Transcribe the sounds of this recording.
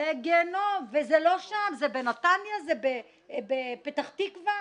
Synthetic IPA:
eɡenovezelo̞ʃamzebenat̪anjazebe | bepet̪aχt̪ikva

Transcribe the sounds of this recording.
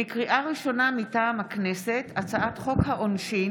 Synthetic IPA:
ikʁiʔaʁiʃo̞namitaːmhaknesetat͡saʔatχo̞khaʔonʃi

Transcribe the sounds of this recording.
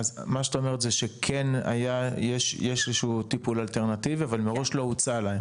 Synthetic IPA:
azmaʃataomeʁet̪zeʃekʰena̰jajeʃjeʃezʃuuːt̪ipulalt̪e̞ʁnativiavalmeʁo̞ʃlo̞ut͡salaem

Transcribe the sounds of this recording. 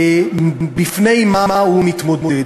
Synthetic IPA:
bɪfneɪmamaumɪtmʊdmʊɪ

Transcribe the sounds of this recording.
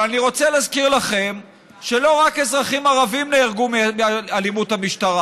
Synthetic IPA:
aniʁo̞t͡selaːzkiʁlaχe̞m | ʃelo̞ʁake̞zʁaχimaʁavimneːʁɡumimealimuthamiʃtaʁa

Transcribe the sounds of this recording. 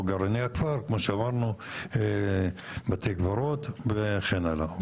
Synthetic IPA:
ɡaɾaniakfaɾkmoʃeamaʁnue | bat̪ejkvaɾot̪veχenala

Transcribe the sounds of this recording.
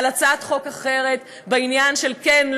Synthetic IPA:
lat͡satχo̞kaχe̞ʁe̞t̪ | beinjanʃelkenl

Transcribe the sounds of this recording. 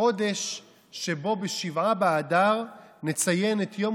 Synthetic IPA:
o̞de̞ʃː | e̞bo̞beʃivabeadaʁnet͡saje̞net̪jo̞m

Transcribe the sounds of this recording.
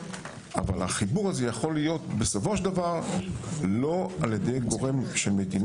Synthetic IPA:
a̰valhaχibuʁazejaχo̞lijo̞t̪be̞sofo̞ʃdavaʁ | lo̞alje̞dejɡo̞ʁe̞mʃe̞lme̞din

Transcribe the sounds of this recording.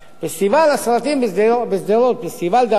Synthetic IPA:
pest̪ivalasalat̪imb̪bezd̪elot̪̚pest̪ivald̪a

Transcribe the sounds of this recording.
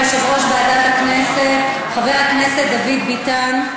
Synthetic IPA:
ʃevoʃbeadatakneset | χaveʁakneset̚d̪avid̪bitan

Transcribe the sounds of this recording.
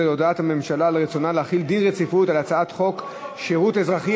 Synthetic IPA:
elo̞daathame̞mʃalaleʁet͡sonalehaχild̪inʁet͡sifutalat͡saatχo̞k | ʃeʁutezʁaχi

